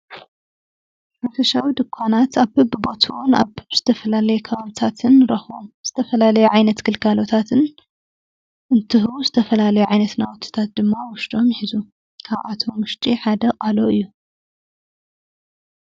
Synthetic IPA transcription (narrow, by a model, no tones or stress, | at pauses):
ħafɐʃawid̪ɨkʷʰːanat̪aβhɨbɨbo̞t̪ʰuwuna̰βɨbz̥ɨt̪ʰɐfɐlalɐjɛkʰɐβaβit̪ʰat̪ʰɨnɾɐxbo̰mz̥ɨt̪ʰɐfɐlalɐjuʕajnɐt̪ɡɨlkʰalo̞t̪ʰat̪ʰɨn | ʔɨnt̪ʰɨhuzɨt̪ʰɐfɐlalɐjuʕajnɐt̪nawɔt̪ʰːi̥t̪ʰat̪̚d̪ɨmːawʊʃd̪ʼo̞mjħizu | kʰaβʔa̰t̪ʰo̞mwʊʃt͡ʃ̪ʼiħad̪ɐqʼaloɨjːu